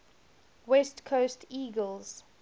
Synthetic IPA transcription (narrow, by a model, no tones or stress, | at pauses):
wɛstkʰostʰiːɡəlˠz̥